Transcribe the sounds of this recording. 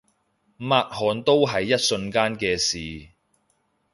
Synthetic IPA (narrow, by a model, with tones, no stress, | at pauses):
maː˧t̚hɔː˨nt̪o˥wɦɐ˨jːɐ˥t̚sɵ˧nkaː˥nkɛː˧siː˨˩